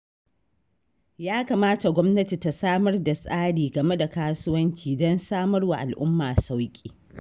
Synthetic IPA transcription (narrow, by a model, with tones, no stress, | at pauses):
jaː˦ka˨maː˦ta˨ɡʷɔ˦mnɐ˦ti˨ta˨saː˦mɐ˦rda˨sʼaː˦ɽiː˨ɡɐ˨me˦da˨kaː˦sʊ˦wɐ˦nt͡ʃiː˨dɔ˦nsaː˦mɐ˦rwa˨ʔa˨lʔʊ˦mːaː˨sa˦wkʲʼiː˨